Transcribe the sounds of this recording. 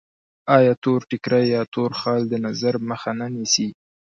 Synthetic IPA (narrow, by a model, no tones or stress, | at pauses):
ɑjɑt̪oɾʈɪkɾajjɑt̪oɾxɑld̪ənazaɾməxananisi